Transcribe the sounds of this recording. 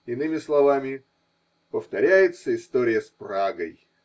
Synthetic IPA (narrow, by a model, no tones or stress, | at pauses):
ɪnɨmʲɪslˠɐvamʲɪ | pəft̪ɐɾʲæjɪt̪səɪst̪oɾʲɪjəspraɡəj